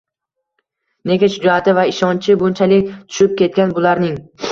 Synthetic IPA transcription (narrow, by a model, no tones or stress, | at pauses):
ne̞ɡʲaʃʊd͡ʒɒat̪ʰɪvaɪʃɒnt͡ʃʰɪbʊnt͡ʃʰalɪkʲt̪ʰʊ̥ʃɪp̚kʲe̞t̪̚kʲanbʊlaɾnɪŋ